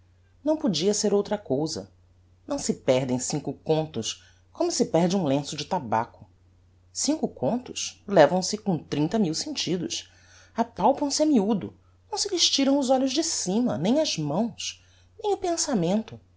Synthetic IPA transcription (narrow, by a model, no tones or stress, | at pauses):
nɐ̃w̃pod͡ʒiɐseɾowt̪ɾɐkowzɐ̰ | nɐ̃w̃sɪpɛɦd̪ẽj̃sĩŋkʊkõnt̪ʊs | kõmʊsɪpɛɾd͡ʒɪũlẽsʊd͡ʒɪt̪aba̰kʊ̥ | sĩŋkʊkʰõnt̪ʊʃlɛvɐ̃w̃sɪkõt̪ɾĩnt̪ɐmiwsẽnt͡ʃid̪ʊʃ | apawpɐ̃w̃sɪɐmiud̪ʊ̰ | nɐ̃w̃sɪlɪʃt͡ʃiɾɐ̃w̃ʊzɔʎʊzd͡ʒɪsĩmɐ̰nẽj̃ɐzmɐ̃w̃s | nẽj̃ʊpẽsamẽnt̪ʊ